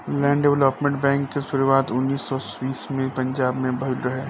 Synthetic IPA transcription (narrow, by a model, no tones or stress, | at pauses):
lɛ̃ːɳɖɛʋləpmẽɳʈ̚bɛ̃ːŋkːesʊɾuʋaːt̪ʊnːiːsːɔ | biːsmẽpɐ̃ɲd͡ʒaːbmẽbʱɐlɾɐɦeː